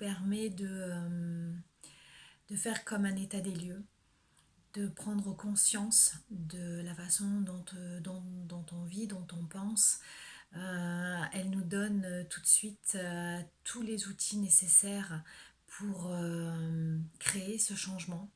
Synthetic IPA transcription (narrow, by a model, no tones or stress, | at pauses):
pɛʁmɛd̪əm | d̪̥əfɛʁkɔmɛ̃net̪ad̪eljø | d̪̥əpχɑ̃d̪ʁəkɔ̃sjɑ̃sd̪əlafasɔ̃d̪ɔ̃t̪d̪ɔ̃d̪ɔ̃t̪ɔ̃vid̪ɔ̃t̪ɔ̃pɑ̃s | øɛlnud̪ɔnt̪ʰu̥t̪sɥit̪ | t̪ʰulezut̪ʰinesesɛʁpʰuʁø | kχeːsəʃɑ̃ʒmɑ̃